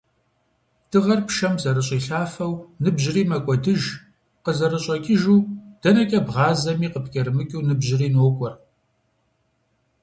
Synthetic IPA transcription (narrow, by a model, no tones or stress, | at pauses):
d̥ʰɨʁɐrpʃɐmzɐɾɨɕʼiːɬaːfɐwnɨbʑɪriːmɐkʷʼɔdɨʒ | qəzɐɾɨɕʼɐkʲʼɪʒuːd̥ɐnɐkʲʼɐbʁɑːzɐmiːqəpkʲʼɐɾɨmɨkʲʼɨwnɨbʑɪriːnoːkʷʼɔr